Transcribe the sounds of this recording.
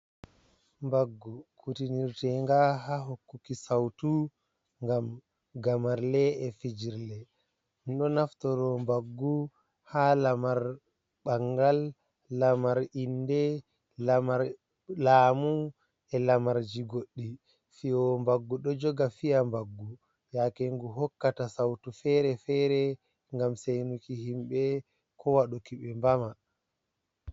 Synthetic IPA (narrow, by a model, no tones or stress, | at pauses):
mbaɡːukutiniɾtɛŋɡaɦaɦokːukisawtu | ŋɡam | ɡamaɾlɛɛfid͡ʒiɾlɛ | nɗɔnaftɔɾɔmbaɡːu | halamaɾ | ɓaŋɡalː | amaɾindɛ | la | laːmu | ɛlamaɾd͡ʒiɡoɗːi | fiɔmbaɡːuɗɔd͡ʒɔɡafijambaɡːu | jakɛŋɡuɦɔkːatasawtufɛɾɛfɛːɾɛ | ŋɡamsejnukihimɓɛ | kɔwaɗukiɓɛmbama